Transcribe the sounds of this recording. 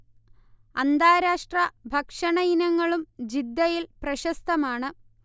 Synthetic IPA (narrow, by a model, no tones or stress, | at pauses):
ɐnd̪aːɾaːʂʈrɐbʱɐkʂɐɳɐinɐŋːɐɭumd͡ʑid̪ːɐjilprɐɕɐst̪ɐmaːɳɨ